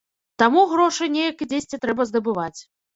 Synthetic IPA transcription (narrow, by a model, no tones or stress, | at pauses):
t̪amuɣɾɔʂɨjnʲejɐkid͡zʲesʲt͡sʲit̪ɾɛbɐzd̪ɐbɨvat͡sʲ